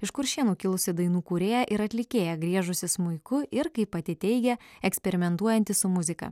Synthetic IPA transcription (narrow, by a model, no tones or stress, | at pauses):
ɪʃkʊɾʃʲiɛnuːkʲɪlˠʊsʲɪd̪ɐɪnuːkuːɾʲeːjɛʔɪɾɐt̪ʲlʲɪkʲeːjɛɡɾʲiɛʒʊsʲɪsmʊɪkʊɪɾkɐɪpɐt̪ʲɪt̪ʲɛɪɡʲɛɛksʲpʲɛɾʲɪmʲɛnt̪uɔjɛnʲt̪ʲɪsʊmʊzʲɪkɐ̰